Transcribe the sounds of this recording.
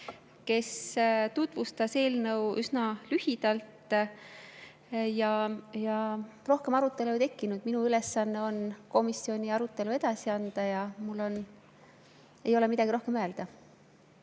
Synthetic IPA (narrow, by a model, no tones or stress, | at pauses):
ke̞st̪ut̪vust̪ɑse̞ːlnɤwysnɑlyhid̪̥ɑlt̪ˑ | jɑjɑ | ro̞hke̞mɑɾut̪ːˑe̞lut̪e̞kːinud̪̥minuyle̞sːɑnːe̞o̞nko̞misːio̞nʲiɑɾut̪ːˑe̞lue̞d̪̥ɑsiɑnd̪̥ɑjɑmulːo̞n | e̞jo̞le̞mid̪̥ɑɡiɾo̞hke̞møe̞ld̪̥ɑ